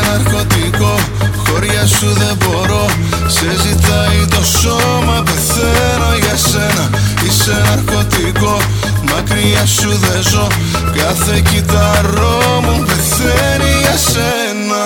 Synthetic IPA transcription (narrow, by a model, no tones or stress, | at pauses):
nɐɾko̞t̪iko̞ | xo̞ɾʝɐsuðe̞bo̞ɾo̞ | sezit̪ɐit̪o̞so | mɐpe̞θ | e | no̞ʝɐse̞nɐ | isenɐɾko̞t̪iko̞ | mɐkɾiɐsuðezo̞ | kɐθecit̪ɐɾomupe̞θ | e | niʝɐs | e | nɐ